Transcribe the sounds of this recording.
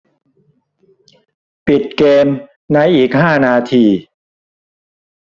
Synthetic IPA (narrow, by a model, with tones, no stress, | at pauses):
pi˨˩t̪̚keː˧m | na˦˥jʔiː˨˩k̚haː˥˩naː˧t̪ʰiː˧